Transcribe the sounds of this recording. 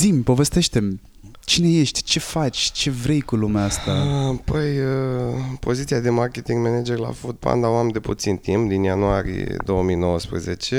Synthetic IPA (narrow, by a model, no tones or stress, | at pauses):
zimʲpo̞ve̞st̪e̞ʃt̪e̞m | t͡ʃine̞je̞ʃt̪ʲt͡ʃe̞fat͡ʃʲt͡ʃe̞vɾe̞jkulumeast̪apəjəpo̞zit̪siad̪e̞markʲet̪iŋɡmened͡ʒerla̰fut̪̚pa̰nd̪awamd̪e̞put̪sint̪impd̪injanuaɾḭjḛd̪o̞wəmijno̞wəspɾḛzet͡ʃe